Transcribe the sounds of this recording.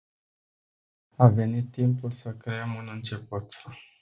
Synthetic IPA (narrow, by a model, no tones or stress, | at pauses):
ave̞nit̪ːimpulsəkɾe̞əmunɨnt͡ʃe̞put̪